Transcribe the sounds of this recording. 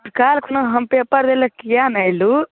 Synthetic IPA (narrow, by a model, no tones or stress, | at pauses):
ʈkaːlkʰunɐɦɐmpepaɾd̪elɐkijaːnɐjlu